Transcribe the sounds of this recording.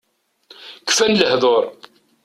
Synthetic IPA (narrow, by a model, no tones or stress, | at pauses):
kfænləhðˤoɾˤ